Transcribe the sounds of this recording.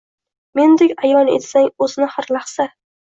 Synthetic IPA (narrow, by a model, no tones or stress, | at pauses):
me̞nd̪ekʲajɒnḛt̪saŋɵznɪhaɾlaχsa